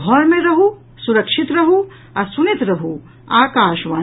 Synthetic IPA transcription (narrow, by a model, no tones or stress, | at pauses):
ɔːɾmẽɾɐɦu | sʊɾɐkʃɪt̪ɾɐɦu | ɐsʊnɪt̪ɾɐɦu | aːkaːʃʋaː